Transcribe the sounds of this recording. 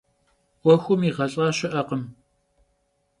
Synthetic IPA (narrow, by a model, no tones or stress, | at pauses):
wʷɔxʷʊmiːʁɐɬʼɑːɕɪʔɐqəm